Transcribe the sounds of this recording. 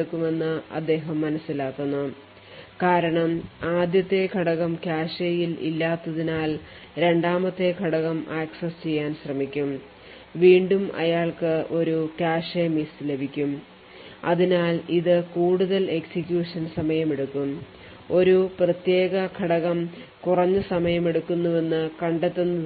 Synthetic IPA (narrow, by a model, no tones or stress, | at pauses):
ɽukːume̞nːɨɐ̰d̪ːe̞ːɦɐmːɐnɐsːilaːkːunːu | kaːɾɐɳɐmaːd̪jɐt̪ːe̞kʰɐɽɐɣɐmkʲaːʂejilḭlːaːt̪ːɐðinaːl | ɾe̞ɳɖaːmɐt̪ːe̞kʰɐɽɐɣɐmaːksɐst͡ɕe̞jːaːnɕrɐmikʲːum | ʋiːɳɖumɐ̰jaːɭkɨʔo̞ɾukaːʂemisle̞bʱikʲːum | ɐðinaːliðɨkuːɽuðɐle̞ksikʲjuːʂɐnsɐmɐjɐme̞ɽukːum | o̞ɾuprɐt̪je̞ːɡɐkʰɐɽɐɣɐm | kurɐɲːɨsɐmɐjɐme̞ɽukːunːuʋe̞nːɨkɐɳɖet̪ːenːu